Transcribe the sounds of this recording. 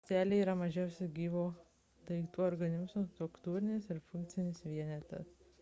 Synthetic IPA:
t̪ʲæːlʲeiːɾɐmɐʒʲɛʊsʲɪɡʲiːʋoː | t̪ɐɪkt̪uːɔɾɡɐnʲɪmzost̪ɾʊkt̪uːɾʲɪnʲesɪɾfʊŋk̚t̪sʲɪnʲɪsʋʲiɛnʲɛt̪ʲɛ̰s

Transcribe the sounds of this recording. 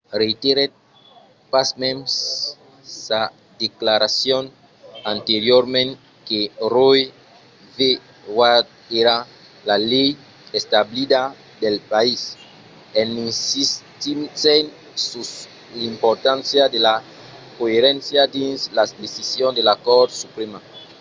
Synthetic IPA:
ret̪eɾet̚ | pasmẽms | sa | d̪eklaɾasjon | ant̪eɾjoɾmẽn | keroj | ve | wad̪̚ | eɾa | lalej | est̪ablid̪a | d̪elpais | eninsist̪isen | sus | limpoɾt̪ansjad̪ela | koeɾẽnsjad̪inslasd̪esisjond̪elakoɾd̪supɾema

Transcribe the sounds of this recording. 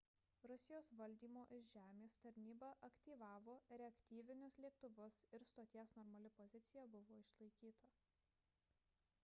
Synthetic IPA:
ɾʊsʲɪjoːsʋɐlʲd̪ʲiːmoːʔɪʃʒʲæːmʲeːst̪ɐɾʲnʲiːbɐʔɐkt̪ʲiːʋɑːʋoːɾʲɛɐkʲt̪ʲiːʋʲɪnʲʊslʲiɛk̚t̪ʊʋʊsɪɾst̪oːt̪ʲiɛsnɔɾmɐlʲɪpɔzʲɪt̪sʲɪjɛbʊʋoːɪʃlˠɐɪkʲiːt̪ɐ

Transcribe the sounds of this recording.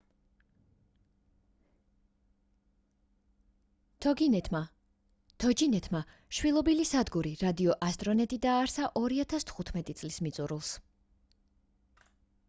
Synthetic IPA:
ɡ | t̪ʰɔd͡ʒinɛt̪ʰma | ʃwilˠɔbilisad̪ɡuɾiɾad̪iɔʔast̪ʼɾɔnɛt̪ʼid̪aːɾsaʔɔɾiat̪ʰast̪ʰχut̪ʰmɛt̪ʼit̪sʼlismit̪sʼuɾulˠs

